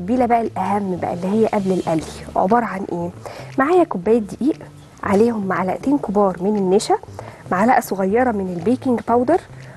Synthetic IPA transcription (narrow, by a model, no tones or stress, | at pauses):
biːlæbæʔælʔæhæmːbæ̰ʔæ̰lːihejːæʔæblelʔælːḭʕo̰bɑɾˤɑʕanʔeːmaʕaːjækobːæːjt̪d̪ːeʔiːʔ | ʕaleːhomːaʕalæʔt̪eːnkobɑːɾˤmenenːeʃæmaʕalæʔæsoɣæjːɑɾˤɑmenelbeːkeŋɡpæwd̪eɾˤ